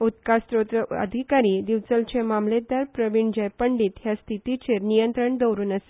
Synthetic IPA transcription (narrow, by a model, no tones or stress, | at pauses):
ut̪kast̪ɾot̪ɾəə̰d̪ʱikaɾiːd̪iʋt͡səlt͡ɕemamled̪aɾpɾəʋiɳd͡ʑəjpəɳɖiːt̪ɦjast̪ʰit̪it͡ɕeɾnijənt̪ɾəɳd̪əwɾuːnəse̥